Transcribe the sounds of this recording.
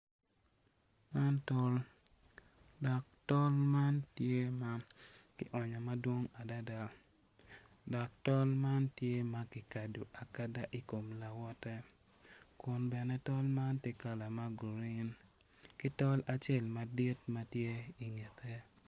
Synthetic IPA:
ma˦ntɔ˦l | dɔ˨k̚tɔ˦lma˦ntje˦ma˦kɪ˨ʔɔ˨ɲɔ˨ma˦dwo˦ŋa˨da˦da˦ | dɔ˨k̚tɔ˦lma˦ntje˦ma˨kɪ˨ka˨du˨ʔa˨ka˦da˦ʔi˨ko˨mla˨wɔ˦tɛ˦ | kʊ˨nbɛ˨nɛ˦tɔ˦lma˦nte˦ka˨la˨ma˦ɡu˨ɾi˦n | kɪ˦tɔ˦la˨t͡ʃe˦˨lma˨di˦tma˦tje˦i˨ŋe˨t̪ʰe˦

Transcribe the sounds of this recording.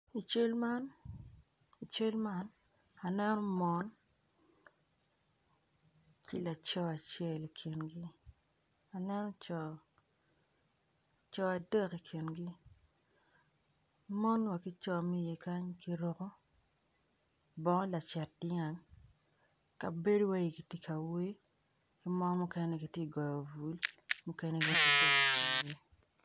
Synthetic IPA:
i˨t͡ʃe˦lma˦n | i˨t͡ʃe˦lma˦n | a˨nɛ˦nɔ˦mɔ˦n | kḭ˨la˨t͡ʃɔ˦a˨t͡ʃe˦˨li˨kʰi˨nɡi˦ | a˨nɛ˦nɔ˦t͡ʃɔ˨ | t͡ʃɔ˨a˨dɛ˦˨ki˨kʰi˨nɡi˦ | mɔ˦nwa˨kɪ˦t͡ʃɔ˦mɛ˦je˨ka˦ɲki˦ɾɔ˦kɔ˦ | bɔ˦la˨t͡ʃɛ˨t̚d̥ɪ˦ŋa˨ŋ | ka˨be˦dwa˦ji˨ki˨ti˦kʰa˨we˦ | ki˦mɔ˦mu˦kɛ˦nɛ˦ki˨tje˦˨ɡɔ˨jɔ˨vu˨lmu˦kɛ˦nɛ˦ki˨te˦˨ke˨ki˨nɡi˦

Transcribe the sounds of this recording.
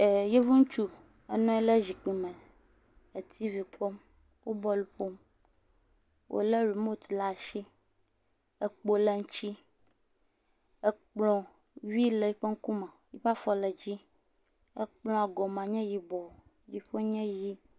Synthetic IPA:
e˨je˦vũ˦ŋ̩˦t͡ʃu˦ | e˦nɔ̃˦e˦lə˦zi˨k͡pi˨mə̃˨ | e˨t̪i˦vi˨k͡pɔ˦m | wo˦bɔ˦lu˨ɸo˦m | wʔo̰˨lə˦ɾi˨mo˦t̪la˦˨ʃi˦ | e˦k͡po˦lə˦ŋ̩˦t͡ʃi˦ | e˦k͡plɔ̃˨ | wi˦le˦˨˦ɸe˦ŋ̩˦ku˦mã˨ji˦ɸa˦fɔ˦le˨d͡ʑi˦ | e˦k͡plɔ̃˦a˨ɡɔ˨mã˨ɲɛ̃˦ji˦bɔ˨ | d͡ʒi˦ɸo˦ɲɛ̃˦ji˦

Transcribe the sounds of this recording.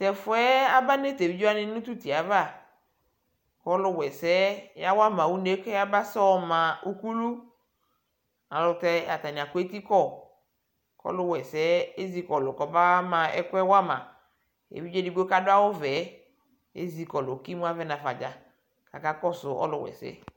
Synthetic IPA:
tɛ˨fʊ˦ɛ˦a˦ba˦ne˦te˨vi˦d͡ʒo˦a˦nɪ˦nʊ̃˦tu˦ti˨a˨va˦˨ | kɔ˦lʊ˦˨wɛ˨sɛ˨˦ja˦wa˦mã˨wu˦ne˦kɛ˦a˦ba˦sɔ˦˨mã˨u˦ku˦lu˦ | a˨lʊ˨tɛ˦a̰˨ta˨nɪ˨a˨kʊ˦e˦ti˦kɔ˦˨ | kɔ̰˦lʊ˦wɛ˨sɛ˦e˦zi˦kɔ˨lʊ˨kɔ˨ba˦mã˨ɛ̰˦kɛ˦wa˦mã̰˨ | ḛ˨vi˦d͡ʒe˦di˨ɡo˦ka˦dʊ˦a˦wʊ˦vɛ˨˦ | ḛ˦zi˨kɔ˨lʊ˨ki˦mu˦a˦vɛ˦nã˨fa˨d͡ʒa˨ | ka˨ka˦kɔ˦sʊ˨ʔɔ̰˦lʊ˨wɛ̰˨sɛ̰˦

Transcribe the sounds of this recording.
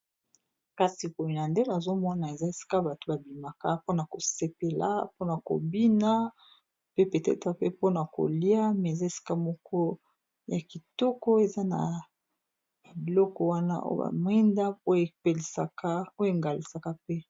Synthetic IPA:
ka˨si˨bo˨ji˨na˨nde˦n˨a˨zo˦mɔ˦na˨e˨za˦e˨si̥˦ka˦ba˨to˦ba˨bi˨ma˨ka˦po˦na˨ko˨se˨pe˨la̰˦po˦na˨ko̰˨bi˦na˦ | pe˦pe˨tɛ̰˦ta˦pe˦po˦na˨ko̰˨li˦a˦me˨za˦e˨si̥˦ka˦mɔ˦kɔ˦ | ja˨ki˨tɔ˦kɔ˦e˨za˦na̰˨ | bi˨lɔ˦kɔ˦wa˦na̰˦ʔo̰˦ba̰˨m˦ɛ˦nda˦o˦je˨pe˨li˨ska˦o˦je˨ŋɡa˨li˨sa˨ka˦pe˦

